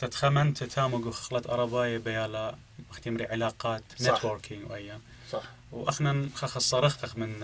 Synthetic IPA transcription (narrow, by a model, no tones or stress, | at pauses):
t̪at̪xamant̪at̪ʰaːmʊɡwxḁxlɑt̪ʔɑ̰ɾˤɑbɑːjabajaːla | axt̪amɾiʕɪlaːqɑːt̪net̪ʰwoːɾkʰɪŋɡwʔajːa | wʔaxnanxɑxɑsˤːɑɾˤɑxɑxmɪn